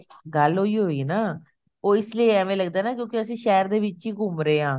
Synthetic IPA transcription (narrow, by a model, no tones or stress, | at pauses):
ɡəlɦoːiːɦoːiːnaː | oːɪslieːɛːmẽːləɡd̪aːnaːk̬jõːkiəsĩːʃɛːɾd̪eːʋɪt͡ʃiːɡʱʊmɾeːɦãː